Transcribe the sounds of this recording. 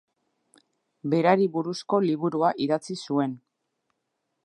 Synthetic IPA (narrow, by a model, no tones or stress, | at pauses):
be̞ɾaɾiβuɾusko̞liβ̞uɾuaʔiðat͡sisue̞n